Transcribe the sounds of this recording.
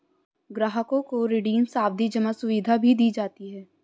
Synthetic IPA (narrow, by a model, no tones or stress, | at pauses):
ɡɾaːɦəkõkoɾɪɖiːmsaːb̚d̪id͡ʒəmasʊʋid̪ʱabʱid̪iːd͡ʒaːt̪iɦɛː